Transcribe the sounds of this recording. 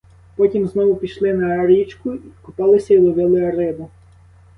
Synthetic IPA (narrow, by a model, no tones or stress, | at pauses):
pɔtʲimznɔʋʊpʲiʃlˠɪnɐɾʲit͡ʃkʊikʊpɑlˠɪsʲɐilˠɔʋʲɪlˠɪɐɾɪb̪ʊ